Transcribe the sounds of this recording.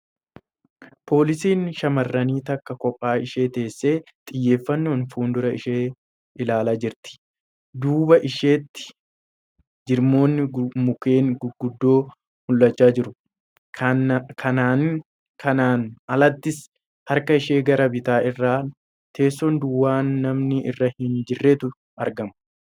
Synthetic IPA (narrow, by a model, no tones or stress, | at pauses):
pʰo̞ːlɪsiːnʃɐmɐrːɐniːt̪ɐkːɐkɔpʼːaːɪʃe̞ːt̪e̞ːsːe̞ː | t̪ʼɪjːe̞ːfːɐnːoːnfuːnd̪ʊɾɐɪʃeː | ʔɪlaːlaːd͡ʒɪɾt̪ɪ̥ | d̪uːbɐʔɪʃeːt̪ːɪ̥ | d͡ʒɪɾmo̞ːnːɪmʊke̞ːnɡɡʊd̪ːo̞ː | mʊlːɐt͡ʃːaːd͡ʒɪɾʊ | kʰɐnaːn | kʰɐnaːnɐlɐt̪ːɪs | hɐɾkɐɪʃe̞ːɡɐɾɐbɪt̪aːɪrːaː | t̪ʰe̞ːsːond̪ʊwːaːnːɐmnɪʔɪ̰rːɐhɪnd͡ʒɪrːeːt̪ʊ | ʔɐɾɡɐmɐ